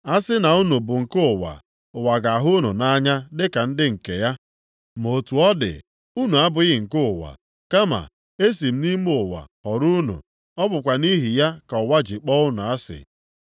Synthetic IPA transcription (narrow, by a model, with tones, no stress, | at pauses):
a˦sɪ˦na˨u˦nu˨bʊ˨ŋ̩˨kʊ˦ʊ˨wa̰˨ | ʊ˨wa˨ɡa˨ɦʊ˦nu˨na˦ɲa˦dɪ˦ka˨n̩˦dɪ˦ŋ̩˨ke˨ja˦ | mo˨tu˨ɔ˦dɪ̰˨ | u˦nu˨a˦bʊ˨ɣɪ˨ŋ̩˨kʊ˦ʊ˨wa̰˨ | ka˦ma̰˨ | e˦s̬i˨m̩˦ni˦mʊ˨wa̰˨hɔ˨ɾu˦nṵ˨ | ɔ˦bʊ˨kʷa˨ni˦ɦi˨ja˦ka˨ɔ˨wa˦d͡ʒɪ˨k͡pɔ˦ʊ˦nʊ˨a˦sɪ̰˨